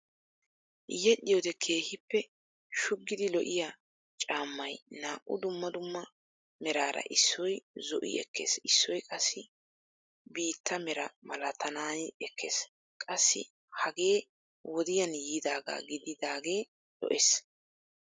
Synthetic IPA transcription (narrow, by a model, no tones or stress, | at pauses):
jɛɗɪjɔd̪ɛkʰe̞ːhɪpːɛ | ʃʊɡːɪd̪ɪlɔʔɪja | t͡ʃʼaːmːɐjnaːʔʊ̰d̪ʊmːɐd̪ʊmːɐ | mɛɾaːɾɐ̰ʔɪsːɔjzɔʔɪ̰ɛ̰kʰːḛːsɪsːɔjkʼɐsːɪ | biːt̪ʰːɐmɛɾɐmɐlɐt̪ʰɐnaːjɛkʰːes | kʼɐsːɪ̰ | hɐɡe̞ː | wɔd̪ɪjɐnjiːd̪aːɡa̰ːɡɪd̪ɪd̪aːɡe̞ː | lɔ̰ʔes